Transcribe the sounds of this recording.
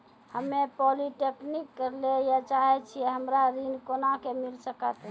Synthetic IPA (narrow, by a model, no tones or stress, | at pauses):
həmepɔliʈeknikːəɾlejat͡ʃaɦɛt͡ʃʰiɛɦəmɾaɾinkonakemilsəkət̪ɦ